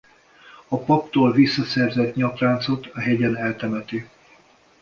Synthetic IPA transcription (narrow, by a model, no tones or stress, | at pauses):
ɒpɒpt̪oːlvisːɒsɛrzɛt̪ɲɒpraːnt̪so̞t̪ɒɦɛɟɛnɛlt̪ɛmɛt̪i